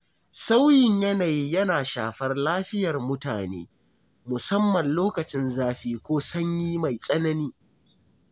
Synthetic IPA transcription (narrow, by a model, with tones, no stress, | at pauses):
sa˦wjɪ˨ɲjɐ˦naː˨ji˦jɐ˦naː˨ʃaː˨ɸɐ˦rlaː˦ɸɪ˦jɐ˨rmʊ˦taː˨nḛː˦ | mʊ˨sɐ˦mːɐ˨nloː˦kɐ˨t͡ʃɪ˦nzaː˦ɸiː˦kʷoː˦sɐ˦ɲjiː˦ma˨jsʼɐ˦nɐ˦niː˦